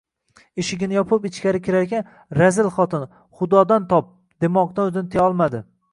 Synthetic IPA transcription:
ɪʃɪɡʲɪnɪjɒpʰʊpɪt͡ʃkʲaɾɪkʲɪɾaɾkʲan | ɾazɪlχɒt̪ʰɪn | χʊd̪ɒd̪ant̪ʰɒp̚ | d̪̥emɒq̚d̪anʊzɪnt̪ʰeɒlˠmad̪ɪ

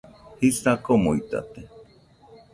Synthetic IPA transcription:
hisakomoit̪a̰t̪e

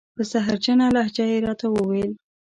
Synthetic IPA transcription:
pəsaɦaɾt͡ʃanalahd͡ʒajeɾɑt̪awəwel

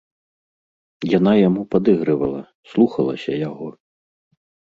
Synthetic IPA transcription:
janajamupad̪ɨɣɾɨvɐlˠɐ | slˠuxɐlˠɐ̰sʲɐjaɣɔ

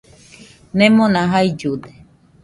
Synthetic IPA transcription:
nẽmõnãɦaid͡ʒud̪e̥

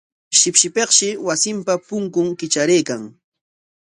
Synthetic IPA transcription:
ʃɪpʃɪpeχʃɪwasɪmpapʊŋkʊŋkɪt͡ʃaɾeːkaŋ

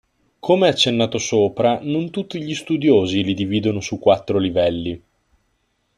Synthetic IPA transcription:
kʰomeɛat͡ʃːenːaːt̪osoːpɾanont̪ut̪ːiʎist̪ud̪joːzilid̪iviːd̪onosukːwat̪ːɾolivɛlːi

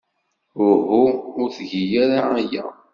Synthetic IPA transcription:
ʊhuʊɾθʝijæɾaːjæ̰

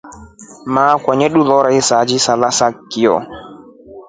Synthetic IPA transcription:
makʷwaɲɛɗulɔɾaisad͡ʒisalasakːijɔ̰

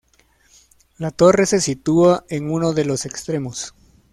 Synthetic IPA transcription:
lat̪o̞re̞se̞sit̪uaʔeŋuno̞ðe̞lo̞se̞kst̪ɾe̞mos

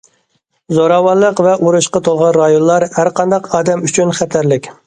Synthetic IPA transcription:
zoɾɑwɑnlˠəqvɛʔuɾuʃqɑt̪ʰolˠʁɑnɾɑjonlˠɑɾhæɾqʰɑnd̪ɑqɑːd̪ɛmyt͡ʃʰynχɛt̪ʰæɾlɪkʲ

